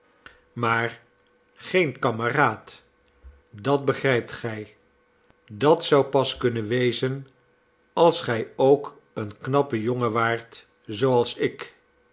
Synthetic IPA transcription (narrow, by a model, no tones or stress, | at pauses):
maːɹ | χejnkɑməraːt | dɑd̚bəχrɛjp̚tχɛj | dɑtsʌwpɑskɵnənʋejzən | ɑlˠsχɛjowk | ənknɑpəjoŋəʋaːɹt | zowɑlˠsɪk